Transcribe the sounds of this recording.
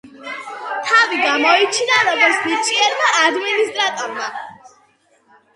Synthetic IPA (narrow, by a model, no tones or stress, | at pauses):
t̪ʰaviɡamɔit͡ʃʰinaɾɔɡɔɾt̪sʰnit͡ʃʰʼiɛɾmaʔad̪minist̪ʼɾat̪ʼɔɾma